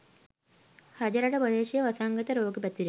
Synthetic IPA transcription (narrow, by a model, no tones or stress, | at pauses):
hrɐd͡ʑɐɾɐɽepɐd̪eːɕijɐʋɐsaːŋɡɐt̪ːɐɾo̞ːɡɨpɐt̪ːiɾu